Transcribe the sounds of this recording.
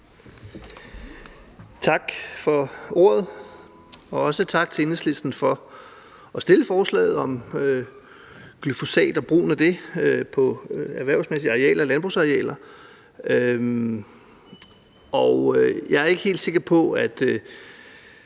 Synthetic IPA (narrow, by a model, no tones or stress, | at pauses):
t͡sʰɑ̈ɡ̥fɒ̽o̝̰ːɐð̞ˠ | ɒ̽ɒ̽sət͡sʰɑ̈ɡ̥̚t͡sʰe̝ensle̝sd̥n̩fɒ̽ | ɒ̽sd̥e̝ləfɒːslɛ̰ːð̩ˠɒ̽mø | ɡ̥lyfo̝sɛ̰ːd̥ɒb̥ʁṵːn̩æd̥e̝øpʰɒ̽æɐʋæɐ̰ʊsmesiɑ̈ʁeɛ̰ːlɐlænb̥ʁṵːsɑ̈ʁiɛ̰ːlɐ | ø | ɒʊjɑ̈ɪæɐe̝ɡ̥əhe̝̰ːld̥se̝ɡ̥ɐpʰɒ̽æd̥ø